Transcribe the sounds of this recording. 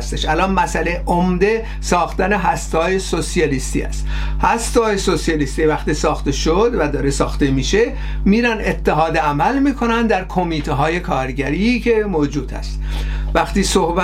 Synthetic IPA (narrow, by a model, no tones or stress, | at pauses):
st̪eʃælɒːnmæsæleʔomd̪e̞ | sɒːxt̪æne̞ɦæst̪ɒːjesosijɒliːst̪ḭːæ̰st̪ | hæst̪ɒːjesosijɑliːst̪ivæxt̪iːsɒːxt̪eʃod̪væd̪ɒːɾesɒːxt̪emiːʃe̞ | miːɾænet̪ʰːe̞ɦɒːd̪eæmælmiːkʰo̞nænd̪d̪æɾkʰo̞miːt̪ʰeɦɒːje̞kʰɒːɾɟæɾiːcʰe̞moːd͡ʒuːd̪ʰæ̰st̪væxt̪iːsohbæ